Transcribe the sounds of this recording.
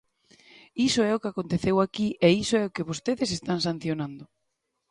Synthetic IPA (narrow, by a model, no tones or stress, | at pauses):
isʊɛʊkɪakont̪eθewakiʔɛisoɛʊkɪβost̪eðɪs̬est̪aŋsãn̟θjonãnd̪ʊ